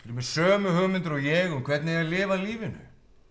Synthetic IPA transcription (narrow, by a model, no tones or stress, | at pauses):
fɪɾmɛðsœːmʏhœɣmɪnt̪ʏɾɔɣjɛɣɔkʰvɛt̪nɪɛalɪːvaliːvɪnʏ̰